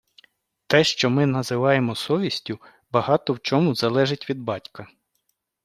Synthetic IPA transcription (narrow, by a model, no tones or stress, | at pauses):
t̪ɛʃt͡ʃɔmɪnɐzɪʋɑjemɔsɔʋʲisʲtʲʊ | bɐɦɑt̪ɔwt͡ʃɔmʊzɐlˠɛʒɪtʲʋʲid̪̚bɑtʲkɐ